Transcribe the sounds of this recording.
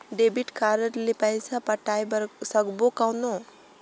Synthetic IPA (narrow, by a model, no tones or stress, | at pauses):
ɖebiʈkaɾəɾlipajsapəʈajbɾsəɡbokawno